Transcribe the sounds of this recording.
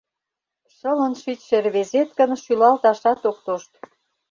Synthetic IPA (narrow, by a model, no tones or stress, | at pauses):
ʃə̆lə̆nʃyt͡ɕʃerβezet̪kə̆nʃylɑlt̪ɑʃɑt̪ok̚t̪oʃt̪